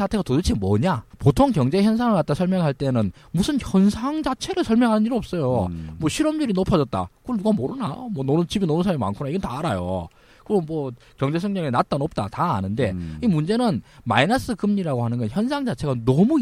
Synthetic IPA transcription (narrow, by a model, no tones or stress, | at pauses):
sʰatʰe̞ɣatodɯt͡ɕʰimʌɲapotʰoŋkjʌŋd͡ʑe̞çjʌnsʰaŋɯɭkat̚t͈asʰʌɭmjʌŋɦaɭt͈e̞nɯn | musʰɯnçjʌnsʰaŋd͡ʑat͡ɕʰe̞ɾɯɭsʰʌɭmjʌŋɦanɯniɾiʌp̚s͈ʌjomwʌɕʰiɾʌmɲuɾinopʰad͡ʑʌt̚t͈a̰kɯʌnduɡamoɾɯna̰mwʌnonɯnt͡ɕibinonɯnsʰaimima̰nkʰunaiɡʌntaːɾajo̰ | kɯɾʌnmwʌ | kjʌŋd͡ʑe̞s̬ʰʌŋɲʌŋinat̚t͈anʌp̚t͈a̰ta̰ːnɯnde̞imund͡ʑe̞nɯnma̰inas͈ɯkɯmɲiɾaɡoɦhanɯnɡʌnçjʌnsʰaŋd͡ʑat͡ɕʰe̞ɡanʌmu